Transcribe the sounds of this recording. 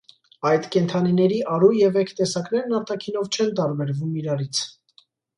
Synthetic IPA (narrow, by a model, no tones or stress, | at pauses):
ɑjt̪kɛnt̪ʰɑninɛɾiʔɑɾujɛvɛkʰt̪ɛsɑknɛɾnɑɾt̪ɑkʰin̪ɔvt͡ʃʰɛnt̪ɑɾbɛɾvumiɾɑɾit͡sʰ